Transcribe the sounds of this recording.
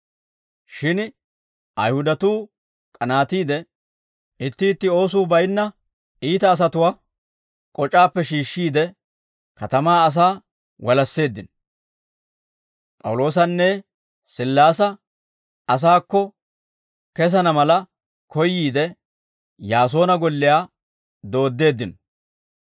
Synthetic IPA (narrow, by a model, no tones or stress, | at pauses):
ʃɪn | ʔɐjhʊd̪ɐt̪uː | kʼɐnaːt̪iːd̪ɛ | ɪt̪ːɪːt̪ːɪo̞ːsuːbɐjnːɐ | iːt̪ɐːs̬ɐt̪ʊwaː | kʼɔt͡ʃʼːaːpːɛʃiːʃːiːd̪ɛ | kɐt̪ɐmaːɐs̬aː | wɔlɐsːe̞ːd̪ːɪn | pʼɐ̰wlo̞ːs̬ɐnːɛ | sɪlːaːsɐ | ɐs̬aːkːɔ | kɛs̬ɐnɐmɐlɐ | kʰɔjːiːd̪ɛ | jaːs̬o̞ːnɐɡɔlːɪjaː | d̪o̞ːd̪ːe̞ːd̪ːɪn